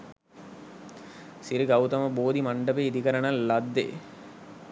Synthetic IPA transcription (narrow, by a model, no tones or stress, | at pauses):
siɾiɡɐwt̪ɐməboːd̪imaɳɖəpeːid̪ikəɾənɐlːɐd̪ːḛ